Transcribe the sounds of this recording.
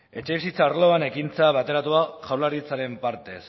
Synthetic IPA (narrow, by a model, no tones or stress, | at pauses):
e̞t͡ʃe̞βisit͡sarlo̞ane̞kint͡saβat̪e̞ɾat̪uaʝawlaɾit͡saɾe̞mpaɾt̪e̞s